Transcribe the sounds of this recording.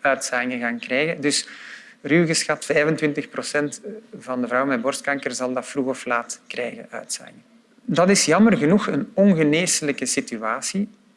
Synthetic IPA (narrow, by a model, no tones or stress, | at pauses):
œːtsaːɪŋəɣaːnkrɛːjɣəndɵs | ryːɣəsxɑtfɛːvəntʋɪntəxprosɛntvɑndəvrɑwmɛbɔrstkɑŋkərzɑlˠdɑtfruɣɔflaːtkrɛːjɣə̰nœ̰ːɥtsa̰ːɪŋə | dɑtɪsjɑmərɣənuxənɔnɣəneːsələkəsityaːsi